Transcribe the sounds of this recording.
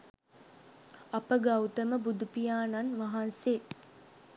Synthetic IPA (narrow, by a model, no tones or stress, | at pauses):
apəɡawt̪əməbud̪upijaːnanʋaɦanse